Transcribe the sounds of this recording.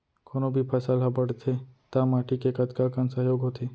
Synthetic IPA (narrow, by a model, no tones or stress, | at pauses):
kʰoːnobʱipʰɐsəlɦɐbəɽt̪ʰet̪amaːʈikekɐt̪kakənsəɦjoːɡɦot̪eː